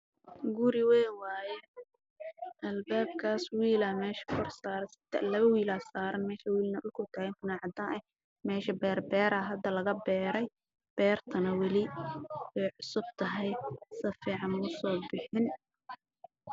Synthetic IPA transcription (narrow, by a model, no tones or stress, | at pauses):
ɡʊɾɪwɛːnwaːjɛ | ʔɐlbaːb̚kʰaːswiːlɐmɛːʃɐ̥kʰɔrsaːɾɐsɪt̪ʰɐ̰lɐβɐwiːlaːsaːɾɐnmɛːʃɐwiːlnɐʔʊlkʰʊlt̪ʰaːɪnt̪ʊnaːʕɑd̪aːʔɛ | mɛːʃɐbɛːrbɛːɾɐɦɐd̪ɐlɐɣɐbɛːɾɛj | b̥ɛːrt̪ʰɐnɐwɐlɪwɛjʕʊsʊb̚t̪ʰɐɦɛjsɐfiːʕɑnʊsɔːbɪħɪn